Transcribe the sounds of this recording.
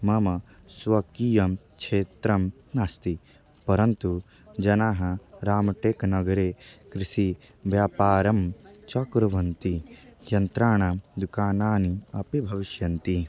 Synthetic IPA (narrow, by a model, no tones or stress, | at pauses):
mɐmɐ | sʋɐkiːjɐm | kʃʰeːt̪ɾɐm | naːst̪i | pɐɾɐnt̪u | d͡ʒɐnaːɦɐɾaːmɐʈeːknɐɡɐɾeːkɾisi | ʋjaːpaːɾɐmt͡ʃɐkɾɐʋɐnt̪ijɐnt̪ɾaːɳad̪ukaːnaːniɐpibʱɐʋiʃjɐnt̪i